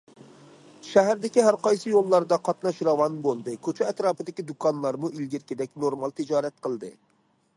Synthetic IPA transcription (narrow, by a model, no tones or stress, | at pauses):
ʃæɦæɾd̪ɪkʲiɦæɾqɑjsɨjolˠːɑɾd̪ɑqʰɑt̪nɑʃɾɑwɑnbolˠd̪ɨkʲʰøt͡ʃʰɛɛt̪ɾɑːpɨd̪ɪkʲid̪ukʰɑnlˠɑɾmuʔilɡʲiɾkʲɪd̪ɛkʲnoɾmɑlˠt̪ʰɪd͡ʒɑːɾɛt̪̚qʰəlˠd̪ɨ